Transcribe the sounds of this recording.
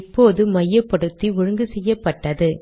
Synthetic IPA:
pːoːðɯmɐjːɐpːɐɽɯt̪ːiʊɻɯŋɡɯsɛjːɐpːɐʈːɐðɯ

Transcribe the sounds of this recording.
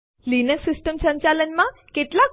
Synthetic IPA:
linəksisʈəmsə̃ɲt͡ɕalənmãkeʈla

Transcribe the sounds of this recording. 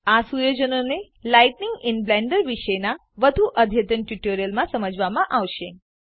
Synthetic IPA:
asujod͡ʒənone | lajʈnɪŋɡɪnblɛ̃ɳɖəɾʋiʃəjna | ʋəd̪ʱuʔəd̪ʱjət̪ənʈuʈoɾijəlmãsəməd͡ʒʱʋamãʔaʋʃẽ

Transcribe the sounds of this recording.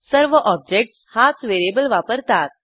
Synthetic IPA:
səɾʋəʔɔb̚d͡ʑek̚ʈshat͡sʋeɾebəlʋapəɾt̪at̪̚

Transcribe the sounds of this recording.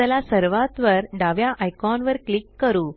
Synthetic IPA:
əlasəɾʋat̪ʋəɾɖaʋjaʔajkɔnʋəɾklikːəɾuː

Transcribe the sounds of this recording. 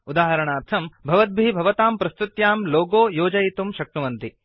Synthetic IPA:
ud̪aːɦɐɾɐɳaːɾt̪ʰɐmbʱɐʋɐt̪̚bʱibʱɐʋɐt̪aːmpɾɐst̪ɾut̪jaːmloːɡoːjoːd͡ʒɐjit̪umʃɐk̚ʈuʋɐnt̪i

